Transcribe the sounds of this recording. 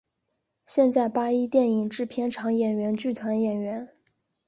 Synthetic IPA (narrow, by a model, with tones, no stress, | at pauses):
ɕjɛ˥˧nt͡sa˥˩ɪpa˥i˥t̪jɛ˥˩ni˨˩ŋʈ͡ʂɻ̩˥˩pʰjɛ˥nʈ͡ʂʰɑ˧˥ŋjɛ˨˩nɥɛ˧˥nt͡ɕy˥˩t̪ʰwa˧˥njɛ˨˩nɥɛ˧˥n